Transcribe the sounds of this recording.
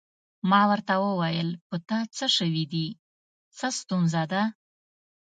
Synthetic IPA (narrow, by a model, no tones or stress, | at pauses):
mɑwəɾt̪awəwajəlpət̪at͡səʂəwid̪i | t͡səst̪unzad̪a